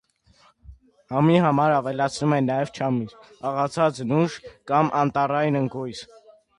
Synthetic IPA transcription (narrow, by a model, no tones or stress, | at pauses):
hɑmiɦɑmɑɾɑvɛlɑt͡sʰnumɛnːɑjɛvt͡ʃʰɑmiɾ | ɑʁɑt͡sʰɑt͡snuʃkɑmʔɑnt̪ɑrɑjnəŋɡujs